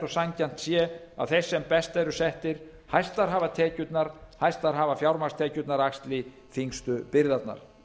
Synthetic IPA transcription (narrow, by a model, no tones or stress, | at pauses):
ɔsaɲcan̥t̪sjɛa̰ðθejsːɛmpɛst̪ɛɾʏsɛht̪ɪɾ̥ | hajst̪laɾɦaːvat̪ʰɛːcʏt̪naɾ̥hajst̪aɾɦaːvafjawɾmast̪ʰɛːcʏt̪naɾakst̪lɪ | fiŋst̪ʏpɪɾðat̪na̰ɾ̥